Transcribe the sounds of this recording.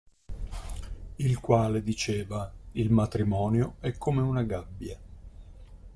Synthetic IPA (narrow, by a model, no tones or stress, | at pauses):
ilkwaːled̪it͡ʃeːvailmat̪ɾimɔːnjoɛkʰːomeunaɡabːja